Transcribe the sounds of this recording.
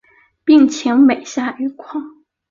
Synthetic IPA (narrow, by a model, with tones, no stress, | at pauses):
pi˥˩ŋt͡ɕʰi˧˥ŋme˨˩ɪɕja˥˩y˧˥kʰwɑ˥˩ŋ